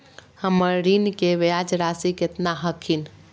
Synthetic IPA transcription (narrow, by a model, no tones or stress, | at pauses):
həməɾɾinkeʋejad͡ʒɾasiket̪naɦəkʰin